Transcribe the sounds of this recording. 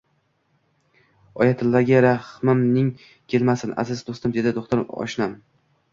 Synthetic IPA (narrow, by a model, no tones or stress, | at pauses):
ɒjat̪ʰɪlːaɡʲaɾahmɪmnɪŋ | kʲʰe̞lmasɪna̰zɪzd̪ost̪ɪmd̪e̞d̪ɪd̪oχt̪ɪɾɒ̰ʃnam